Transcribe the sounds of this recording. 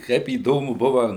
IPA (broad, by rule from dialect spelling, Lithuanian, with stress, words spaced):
ˈkɐɪp iːˈdoːmʊ ˈbʊʋɐ